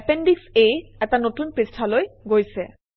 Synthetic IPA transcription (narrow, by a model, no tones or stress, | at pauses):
peɳɖikseɛt̪anot̪unpɾesʈʰaloeɡojt͡ɕʰe